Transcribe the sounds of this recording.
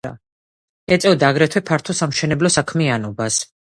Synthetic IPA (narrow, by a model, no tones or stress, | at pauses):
a̰ | ɛt̪sʼɛvɔd̪aɡɾɛt̪ʰwɛpʰaɾt̪ʰɔsamʃɛnɛblɔsakʰmianɔbas